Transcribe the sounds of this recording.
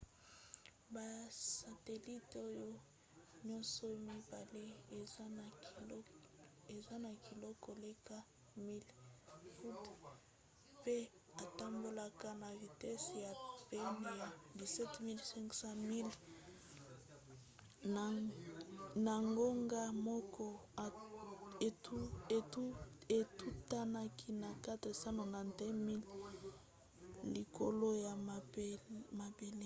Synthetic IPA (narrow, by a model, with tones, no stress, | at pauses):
ba˨sa˨te˨li˦to˦jo˦ | ɲɔ̃˦nsɔ˨mi˦ba˨le˦e˨˦ | e˨za˦na˨ki˨lɔ˦kɔ˨le˦ka˦ | mi˦lfu˦t | pe˦ | a˨ta˦mbo˦la˦ka˦na˨vi˨tɛ˦sja˨pɛ˦me˨ja˨di˨sɛ˦tmi˦lsɛ˦ŋksã˦mi˦l | na˨ŋɡo˦ŋɡa˦mɔ˦kɔ˦˨ | tu˦e˨tu˦e˨tu˦ta˦na˦kʰi˦na˨ka˦tʁe˨sa˦no˨na˨dɛ˦mi˦l | li˨ko˨lo˦ja˨ | ma˨be˨le˦